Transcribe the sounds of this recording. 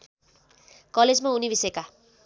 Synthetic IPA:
kʌled͡zmaunibisʌjeka

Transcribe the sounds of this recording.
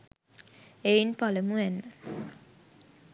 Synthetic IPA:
einpaləmuʋænːə

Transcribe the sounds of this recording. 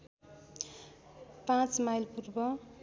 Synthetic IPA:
pãt͡smajlpurbʌ

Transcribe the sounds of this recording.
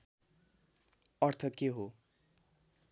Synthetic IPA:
ʌrt̪ʰʌt̪keɦo

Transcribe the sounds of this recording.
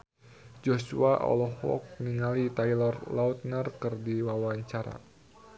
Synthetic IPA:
d͡ʒosuaʔɔ̰lɔhɔ̰k̚niŋalit̪ajlɔrlaut̪̚nərkɨrdiwawaɲt͡ʃaɾa̰

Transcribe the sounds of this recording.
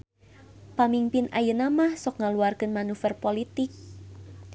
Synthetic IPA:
pamimpɪnʔajənamahsɔk̚ŋaluarkənmanufɛrpolit̪ɪk̚

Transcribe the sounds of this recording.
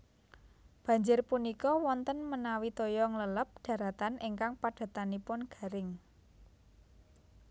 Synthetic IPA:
b̥ä̤ɲd͡ʒʊrpunikɔwɔnt̪ənmənawit̪ojɔŋlələp̚ɖ̥ä̤ɾat̪anʔiŋkaŋpaɖ̥a̤t̪anipʊnɡ̥a̤ɾɪŋ

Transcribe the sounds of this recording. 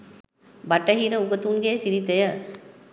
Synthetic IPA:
bɐʈːɐɦiːɾɐuɡɐt̪uːnɡeːsiɾit̪ːɐjɐ

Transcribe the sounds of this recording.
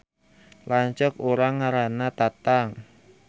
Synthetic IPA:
laɲt͡ʃəkoɾaŋːaɾanat̪at̪aŋ

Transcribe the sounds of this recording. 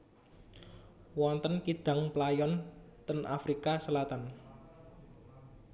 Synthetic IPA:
wɔnt̪ənkid̪̥ä̤ŋplajɔnt̪ənʔafɾikasəlat̪an

